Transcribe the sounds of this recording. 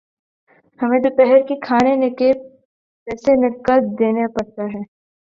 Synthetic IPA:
hɐmẽd̪opɛɦɛɾkikʰaːnenɪke | pɛːsenɪkːət̪̚d̪eːnepɐɽt̪aɦɛː

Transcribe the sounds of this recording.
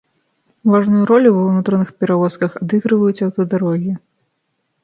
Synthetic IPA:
vaʐnujuɾɔlʲuvnut̪ɔnɨxpʲɛɾavɔskɐxad̪ɨɣɾɨvɐjusʲɐwt̪ɐd̪aɾɔɣʲi

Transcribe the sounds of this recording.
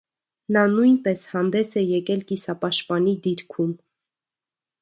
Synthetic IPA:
nɑnujnpɛshɑnd̪ɛsɛjɛkɛlkisɑpɑʃpɑnid̪iɾkʰum

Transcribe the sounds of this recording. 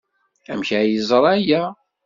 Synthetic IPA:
æmçæjəzˤɾˤæjæ

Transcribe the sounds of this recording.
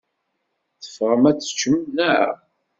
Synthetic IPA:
θə̥fʁəmæt͡sːə̥t͡ʃːəmnæʕa̰

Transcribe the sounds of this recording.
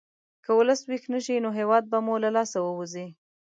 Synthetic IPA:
kəwʊləswixnəʃinoɦewɑd̪̚bamulalɑsawəwuzi

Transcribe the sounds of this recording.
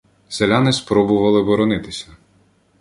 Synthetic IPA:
selʲanɪspɾɔbʊʋɐlˠɪbɔɾɔnɪt̪ɪsʲɐ

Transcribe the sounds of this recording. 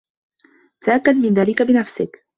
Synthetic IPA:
t̪aʔakːad̪mɪnðaːlɪkabɪnafsɪ̰k

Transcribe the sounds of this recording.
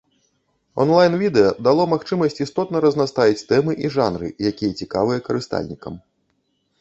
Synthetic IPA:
ɔ̰nlˠajnvʲid̪ɛjɐd̪alˠɔmaxt͡ʂɨmɐsʲt͡sʲist̪ɔt̪nɐɾɐznast̪avʲit͡sʲt̪ɛmɨʔiʐanɾɨ̰jakʲijɐt͡sʲikavɨjɐkɐɾɨst̪a̰lʲnʲikɐ̰m

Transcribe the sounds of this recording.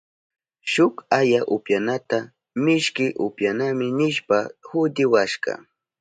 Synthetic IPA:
ʃʊkajaʔʊpjanat̪a | mɪʃkɪʔʊpjanamɪnɪʃpahʊd̪ɪwaʃɢɑ̰

